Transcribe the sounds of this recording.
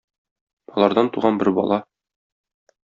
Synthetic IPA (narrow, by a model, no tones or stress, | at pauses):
ɒlˠɑɾd̪ɑnt̪uʁɑnbɘɾbɒ̰lˠɑ